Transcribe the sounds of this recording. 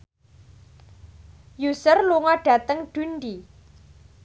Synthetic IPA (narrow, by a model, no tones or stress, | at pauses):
jusərluŋɔɖ̥ä̤t̪əŋɖ̥unɖi